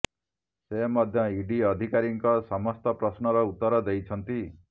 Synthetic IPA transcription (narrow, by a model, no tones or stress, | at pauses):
semɔd̪ʱjɔiɖiɔd̪ʱikaɾiŋkɔsɔmɔst̪ɔpɾɔsnɔɾɔut̪ːɔɾɔd̪ejt͡ʃʰɔnt̪i